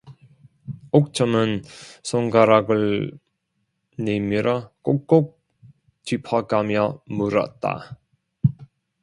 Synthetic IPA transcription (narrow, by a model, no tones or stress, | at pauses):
ok̚t͡ɕʌmɯnsʰoŋɡaɾaɡɯɭ | nemiɾak͈okk͈ok̚ | t͡ɕipʰaɡamjʌmuɾʌ̰t̚t͈a̰